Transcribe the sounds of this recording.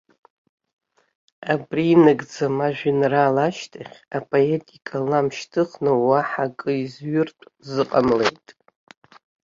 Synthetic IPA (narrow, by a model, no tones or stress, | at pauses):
abriːnɨɡʼd͡zamaʒᶣɪnraːlaʃtʰaχʲapʼo̞e̞tʼikʼalamʃtʰɨχnowaħakʼɨizɥʊrtʷʼzɨqʼamle̞jtʼ